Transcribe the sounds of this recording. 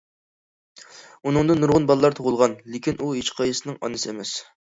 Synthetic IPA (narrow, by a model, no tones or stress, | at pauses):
unɨŋd̪ɨnːuɾʁʊnbɑlˠlːˠɑɾt̪ʰoʁʊlˠʁɑnlekʲinʔuɦet͡ʃqʰɑjɨsɨnɨŋɑ̰nɨsɨemɛs